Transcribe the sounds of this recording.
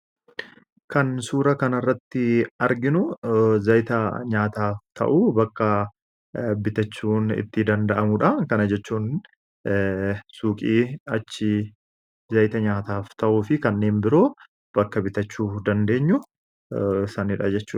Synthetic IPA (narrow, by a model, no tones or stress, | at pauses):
kɐnsuːɾɐkɐnɐrːɐt̪ːɪɐɾɡɪnʊzɐjt̪ɐɲaːt̪aːft̪ʰɐ̰ʔuːbɐkːɐ | bɪt̪ɐt͡ʃːuːnɪ̰t̪ːɪd̪ɐnd̪ɐʔɐmʊᶑɐkɐnɐd͡ʒɛt͡ʃːuːn | suːkʼiːɐt͡ʃːɪ | zɐjt̪ɐɲaːt̪aːft̪ɐʔuːfɪkɐnːe̞ːnbɪɾo̞ː | b̥ɐkːɐbɪt̪ɐt͡ʃːuːd̪ɐnd̪e̞ːɲːʊ | sɐnɪᶑɐ̰d͡ʒɛt͡ʃːuː